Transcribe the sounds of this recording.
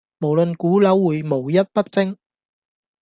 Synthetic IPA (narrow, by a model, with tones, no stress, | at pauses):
mo˨˩wlɵ˨nkuː˨˥lɐ˨˥wːuː˨˩jmo˨˩wjɐ˥t̚pɐ˥t̚t͡sɪ˥ŋ